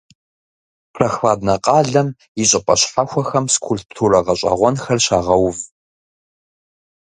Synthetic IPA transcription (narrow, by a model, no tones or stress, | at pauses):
rɐxfaːdnɐqʼɑːɮɐm | jɪɕʼɪpʼɐɕħaxʷɔxɐmskʷʰulptʰurɐʁɐɕʼɐ̰ʁʷɔnxɐrɕaːʁɐwv